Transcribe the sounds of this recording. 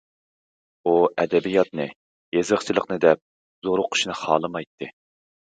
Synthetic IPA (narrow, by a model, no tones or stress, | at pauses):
uɛd̪ɛbijɑt̪̚nɨ | jezɨχt͡ʃʰilˠəqnɨd̪ɛp̚ | zoɾʊqʰʊ̥ʃnɨχɑ̰ːlˠɨmɑjt̪ʰːɨ